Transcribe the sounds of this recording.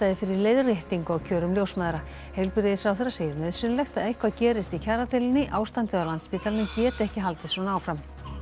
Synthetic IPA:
t̪aðɪfɪɾɪɾleːjðrjɛht̪iŋkɔɣcʰœːɾʏmljowsmaðɾa | hejlpɪɾɪðɪsawθeɾːaseːjɪɾmœðsʏnʏlɛxt̪aðejhkʰvacɛːɾɪst̪icʰaːɾat̪ʰɪlɪnːɪʔaːwst̪ant̪ɪawlant̪spiːt̪ʰalnɪcɛːt̪ɛhcɪɦalt̪ɪ̥sɔnaaːwfɾam

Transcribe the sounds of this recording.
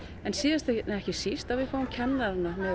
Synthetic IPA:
ɛnsiːðɪst̪ɛhcɪsist̪avihkʰvaumcʰɛnːaɾnamɛ

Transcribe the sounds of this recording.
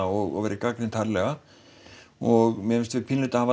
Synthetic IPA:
aɔɣɔ̰ɣvɛːɾɪkakɾɪnt̪ʰaɾlɛɣa | ɔɣmɛmɪnst̪vɪpʰinlʏt̪ahaːva

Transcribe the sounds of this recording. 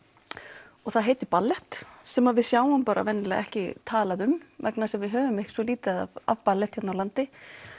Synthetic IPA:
ɔɣθaðɦeːjt̪ʏpalːɛht̪sɛmaðvɪðsjaːwampaːɾa̰vɛnːɪlɛɣɛhcɪt̪ʰaːlaðʏmvɛknasɛmvɪðɦœːvʏmehcɪ̥svɔliːt̪ɪaa̰va̰vpalːɛht̪hçɛt̪nawlant̪ɪ

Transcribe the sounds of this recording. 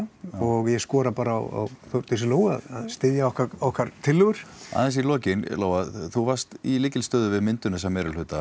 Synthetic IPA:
ɔɣjɛskɔːɾapaːɾaa̰wa̰wθœwɾt̪sɪloːwɣa̰ðaðst̪ɪðjaɔhkaɔhkaɾ̥t̪ʰɪlːʏɣʏɾ̥a̰ːðɛnsilɔːcɪnloːwaθuvaɾ̥st̪ilɪːcɪlst̪œːðʏvɪðmɪnt̪ʏnɛs̬ɛmɛːɾʏlʏːt̪a

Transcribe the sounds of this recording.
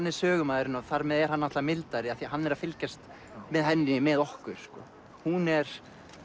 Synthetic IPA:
nːɪɾ̥sœːɣʏmaːðɪɾɪnaθaɾmɛðɛɾ̥hanːat̪vamɪlt̪aɾɪaθiɦanːɛɾaðfɪlcɛst̪ | mɛðɦɛnːɪmɛðɔhkʏɾ̥skɔ̰ | hunɛɾ̥

